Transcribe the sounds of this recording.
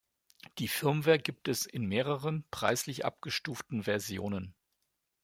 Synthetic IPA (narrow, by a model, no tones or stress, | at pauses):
d̥iːfɪɐmvɛːɐɡiːp̚tɛsɪnmeːʁəʁənpʁ̥a̰ɪslɪçʔa̰p̚ɡ̥əʃtuːftn̩vɛɐzjo̰ːnən